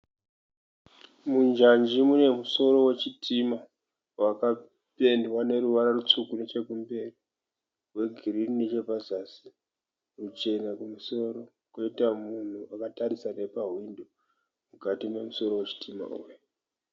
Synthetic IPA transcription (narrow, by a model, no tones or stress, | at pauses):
mund͡ʒand͡ʒimune̞muso̞ɾo̞we̞t͡ʃitʰima | waka | pe̞ndwane̞ɾuʋaɾarut͡ʂukune̞t͡ʃe̞kumbe̞ri | ɦwe̞ɡʱirininet͡ʃe̞pazasi̥ | rut͡ʃe̞nakumuso̞ɾo̞ | kweitamun̤uakataɾisane̞paɦwindo | mukatime̞muso̞ɾo̞wet͡ʃi̥tʰima̰ṵːjo